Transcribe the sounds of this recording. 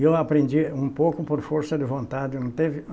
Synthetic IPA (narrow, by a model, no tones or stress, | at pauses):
ewapɾẽnd͡ʒiũpowkʊpoɾfoɾsɐd̪ɪvõnt̪ad͡ʒɪnɐ̃t̪evɪ